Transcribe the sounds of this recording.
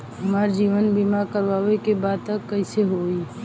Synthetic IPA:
ɦɐmaːɾd͡ʒiːʋənbiːmaɾkəɾʋaːʋekebaːd̪̚t̪ɐkːɐɪseɦoːi

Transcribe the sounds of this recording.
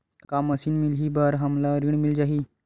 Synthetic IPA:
kaməsiːnmilɦiːbaɾɦamlaɾiɳmild͡ʑaɦiː

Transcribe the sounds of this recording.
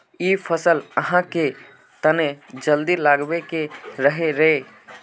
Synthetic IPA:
iːpʰəsələɦãke | t̪əned͡ʒəld̪ilaːɡbekeɾəɦeɾe

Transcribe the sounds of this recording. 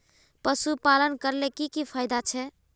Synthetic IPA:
pəsupalənkəɾlekikipʰajd̪at͡ʃʰɛ

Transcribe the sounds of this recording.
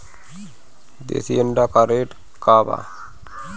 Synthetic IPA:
d̪ḛsiəɳɖaːkaɾeːʈ | kaːba̰

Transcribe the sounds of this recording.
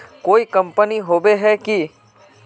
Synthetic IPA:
koːikɐ̃mpəniɦoːbeɦɛki

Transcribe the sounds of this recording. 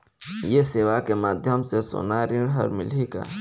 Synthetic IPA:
jeseːʋakemaːd̪ʱjəmsesʊ̰ːnaːɾiɽɦə̰ɾmɪ̰lika̰ː

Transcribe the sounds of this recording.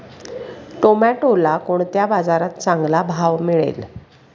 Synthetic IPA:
ʈomaʈolakoɳt̪jabad͡zaɾat̪̚t͡sãŋɡlabʱaʋmiɭḛl

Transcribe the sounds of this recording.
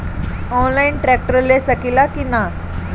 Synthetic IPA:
ɔnlainʈɾɛk̚ʈəɾlesəkilakina

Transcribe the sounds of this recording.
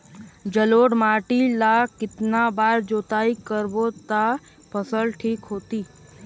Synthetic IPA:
d͡ʒəloːɽmaːʈilakɪt̪nabaːɾd͡ʒoːt̪aːikəɾbot̪a | pəsəlʈʰiːkɦoːt̪iː

